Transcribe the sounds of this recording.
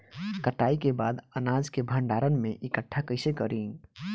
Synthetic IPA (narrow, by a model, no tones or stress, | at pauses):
kəʈaikebad̪ənad͡ʒkebʱəɳɖaɾənmeʔikəʈʰːakəɪsekəɾi